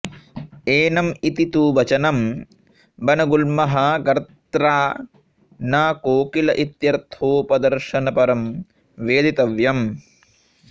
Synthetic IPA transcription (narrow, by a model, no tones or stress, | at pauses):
eːnɐmit̪it̪uːʋɐt͡ʃɐnɐm | bɐnɐɡulmɐɦɐɡɐɾt̪ɾaː | naːkoːkilɐʔit̪jɐɾt̪ʰoːpɐd̪ɐɾʃɐnɐpɐɾɐm | ʋeːd̪it̪ɐʋjɐm